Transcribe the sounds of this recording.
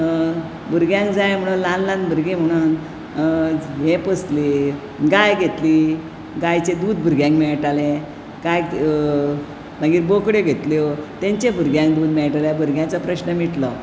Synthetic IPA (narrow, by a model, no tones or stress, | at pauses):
bʱuɾɡjãŋkd͡zajm̤əɽ̃unlanlãnbʱəɾɡẽm̤əɽ̃uːn | ɦẽpəst̪li | ɡajɡʱet̪li | ɡajt͡sed̪uːd̪bʱuɾɡjãŋkmɛɭʈalẽ | ɡaj | m̤aɡiːɾbokɽeɡʱet̪ljt̪ẽɲt͡ɕebʱuɾɡjãŋkd̪uːd̪mɛɭʈalebʱuɾɡjãt͡sapɾəɕnəmiʈlɔ